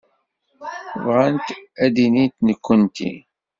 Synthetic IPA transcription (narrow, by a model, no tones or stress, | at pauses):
vʁant̪æd̪init̪nəkːənt̪ḭ